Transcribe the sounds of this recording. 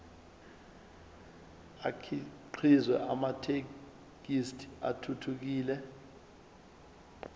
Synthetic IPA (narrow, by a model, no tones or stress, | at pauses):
akʰiǃʰizwɛʔamatʰe | k̬istʰi̥a̰tʰutʰuk̬iːlɛ